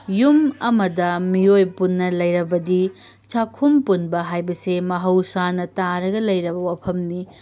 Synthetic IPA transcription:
jumɐmɐdɐmiojpunːɐlɐjɾɐbɐdi | t͡ʃakʰumpunbɐɦajbɐsemɐɦɐwsanɐtaɾɐɡɐlɐjɾɐbɐwapʰɐmni

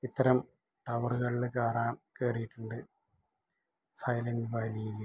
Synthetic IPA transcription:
it̪ːɐɾɐm | ʈɐʋɐruɣɐɭilkaːraːmkeːrijiʈːuɳɖɨ | sɐjlɐndɨbaːlijil

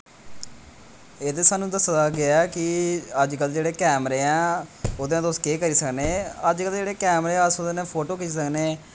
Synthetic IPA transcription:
eːd̪eːsaːnũːd̪əsd̪aːɡɪɛːkɪəd͡ʒkəld͡ʒeːɽeːkɛːmɾeːɛ̃ːod̪ẽːt̪oskeːkəɾiːsəkneːəd͡ʒkəld͡ʒeːɽeːkɛːmɾẽːəsod̪eːnẽːpʰoːʈoːkiiːsəkneː

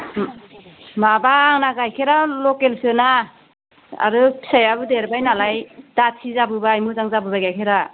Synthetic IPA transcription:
mabaŋnaɡajkʰeɾalɔkelsɯna | a̰ɾɯpʰi̥sajabɯdeɾbajnalajd̥atʰizabɯbajmɯzaŋzabɯbaɡajkʰeɾa

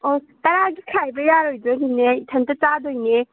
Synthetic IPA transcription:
o | tɐɾaɡikʰajbɐjaɾojdɐɦinːeitʰɐntɐt͡ʃadojne

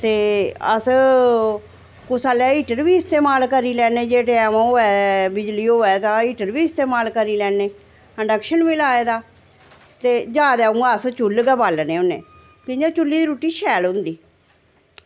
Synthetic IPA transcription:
t̪eːə̰s | kʊsaːlɛːiːʈəɾbiːɪst̪eːmaːlkəɾiːlɛːneːd͡ʒeːʈeɛmãːoːɛːbɪd͡ʒliːoːɛːt̪ãːiːʈəɾbiːɪst̪eːmaːlkəɾiːlɛːneː | əɖəkʃənʋilaːeːd̪aː | t̪eːd͡ʒaːd̪ɛːũɡaːəst͡ʃʊlɡɛːbaːlnẽːʊnḛː | t̪ɪd͡ʒãːt͡ʃʊlːiːd̪ɾuːʈiːʃʰɛːlɦʊ̃nd̪iː

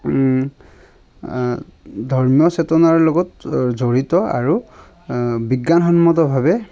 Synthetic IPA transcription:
dʱɔɹmijɔsetɔnaɹlɔɡɔtzoɹitɔa̰ɹu | biɡːanxɔnmɔt̬ɔbʱabɛ

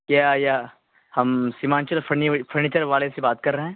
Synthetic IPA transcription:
kjaːja | hɐmsimãːnt͡ʃəlfʰɐɾnifʰɐɾniːt͡ʃəɾʋaːlesebaːt̪kɐɾːɐɦɛ̃ː

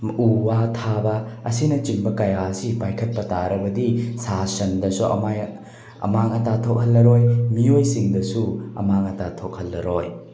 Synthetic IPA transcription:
uwatʰabɐɐsinɐt͡ʃimbɐkɐjaɐsipajkʰɐt̚pɐtaɾɐbɐdisasɐndɐsuʔɐ̰maj | ɐ̰maŋɐtatʰok̚hɐlːɐɾojmiojsiŋdɐsuɐ̰maŋɐtatʰok̚hɐlːɐɾoj

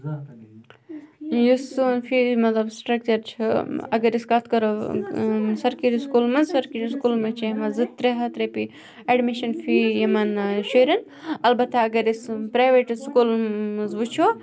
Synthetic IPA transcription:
jusunfimɐt̪lɐbsʈɾɐk̚t͡ʃɐɾt͡ʃʰiɐ̰ɡɐɾiskɐt̪ʰkɐɾo | sɐɾkiɾiskulmɐzsɐɾkiɾiskulmɐt͡ʃʰɐɐmɐzɨt̪ːɾeɦɐt̪ɾɐpi | ɐɖmiʃɐnfijɐmɐnʃoɾɐn | ɐlbɐt̪ʰaɐɡɐɾispɾaːjʋeʈskulɨzbut͡ʃʰo

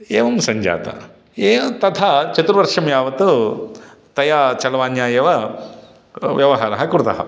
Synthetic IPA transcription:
eːʋɐmsɐɲd͡ʒa̰ːt̪ɐ̰ | eːʋɐt̪ɐt̪ʰat͡ʃɐt̪uɾʋɐɾʂɐmjaːʋɐt̪u | t̪ɐjaːt͡ʃɐlɐʋaːnjaːjɐʋɐ | ʋjɐʋɐɦaːɾɐɦɐkuɾt̪ɐ̰ɦɐ̰

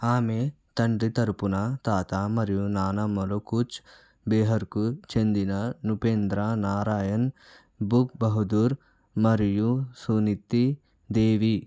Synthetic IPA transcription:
aːme | t̪ɐɳɖit̪ɐɾpunaːt̪aːt̪aːmɐɾijunaːnamɐlokut͡ʃ | beːɦɐɾkut͡ʃend̪inanupeːnd̪ɾaːnaːɾaːjɐn | bupbɐɦud̪uɾ | mɐɾijusunit̪ːi | d̪eːʋi

